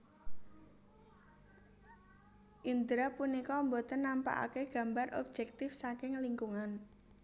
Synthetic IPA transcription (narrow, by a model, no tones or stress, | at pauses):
ʔind̪ɾapunikɔmbot̪ənːampa̰ʔa̰keɡ̥a̤mbarʔɔ̰b̥̚d͡ʒ̥ɛk̚t̪ɪfsakɪŋliŋkuŋan